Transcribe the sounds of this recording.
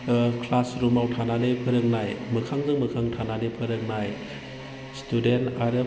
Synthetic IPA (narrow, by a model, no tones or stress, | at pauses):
kʰlasɾumawtʰanalepʰɯɾɯk̚najmɯkʰaŋzɯŋmɯkʰaŋtʰanalepʰɯɾɯk̚naj | studentaɾɯ